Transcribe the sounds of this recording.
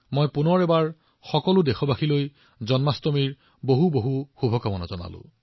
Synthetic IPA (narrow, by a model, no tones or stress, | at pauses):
mojpunɔɹɛbaɹ | xɔkɔlʊdexɔbaxʰiloj | zɔnmastɔmiɹ | boɦuboɦuxubʱɔkamɔna̰zɔna̰lʊ̰̃